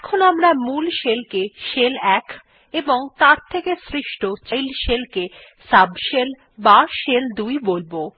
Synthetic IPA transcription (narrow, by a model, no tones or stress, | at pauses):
kʰonoamɾamulʃelkeʃelɛkʰ | eboŋt̪aɾt̪ʰekesɾiʃʈot͡ɕajlʃelke | sabʃel | baʃeld̪ujbolbo